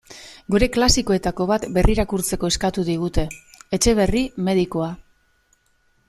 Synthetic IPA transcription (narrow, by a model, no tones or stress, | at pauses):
ɡuɾe̞klasiko̞e̞t̪ako̞β̞at̪be̞rʔiɾakuɾt͡se̞ko̞e̞skat̪uðiɣ̞ut̪e̞ːt͡ʃe̞β̞e̞rime̞ðiko̞a